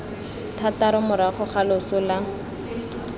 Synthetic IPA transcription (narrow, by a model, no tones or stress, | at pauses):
tʰataɾʊmʊɾaχʊχalʊsʊla